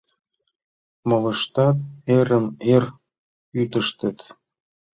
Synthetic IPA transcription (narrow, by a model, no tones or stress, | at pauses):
mɤlə̆ʃt̪ɑt̪eɾəmer | yt̪ə̆ʃt̪ə̆t̪